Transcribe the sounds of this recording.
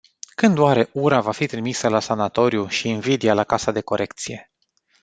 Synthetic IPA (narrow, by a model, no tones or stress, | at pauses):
kɨnd̪uaɾe̞ʔuɾavafit̪ɾimisəlasanat̪o̞ɾjuʃiːnvid̪ialakasad̪e̞ko̞ɾʔe̞kt̪sije̞